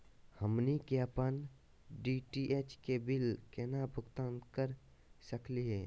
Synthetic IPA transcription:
həmnikaːpən | ɖiʈiʔeːt͡ʃkebɪlkɛːnabʱʊkt̪ãːnt̪kəɾ | səkliɦɛː

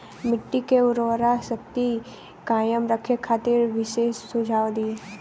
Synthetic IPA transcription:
mɪʈːikeʊɾoːɾasək̚t̪i | kaːjəmɾəkʰekʰːaːt̪ɪɾʋɪʃeːsːʊd͡ʒʱaːwd̪iː

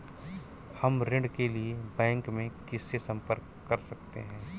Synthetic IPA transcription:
hɐmɾɪ̃ɳɖkeliebɛ̃ːŋkmẽkɪsːesɐ̃mpəɾkːɐɾsɐk̚t̪ḛɦɛ̃ː

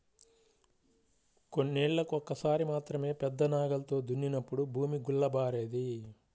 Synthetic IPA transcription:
ko̞nːeːɭːɐkuɔkːɐsaːɾimaːt̪ɾɐme̞ːpɛd̪ːɐnaːɡɐlɐt̪o̞ːd̪unːinɐpːuɽubʱuːmiɡuɭːɐbaːɾeːd̪i

